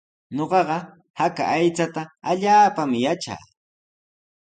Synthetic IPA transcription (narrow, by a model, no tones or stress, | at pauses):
ɲoɢɑɢɑ | haka̰ʔajt͡sat̪aaʎaːpamɪjat͡ʃa̰ː